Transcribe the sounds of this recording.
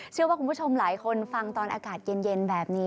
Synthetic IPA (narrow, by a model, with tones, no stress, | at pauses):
t͡ɕʰɯ˥˩waː˥˩ku˧mʰpt͡ɕʰo˧mlaː˩˦jkʰo˧nfa˧ŋt̪ɔː˧nʔaː˧kaː˨˩t̪̚je˧nje˧nbɛː˨˩p̚niː˦˥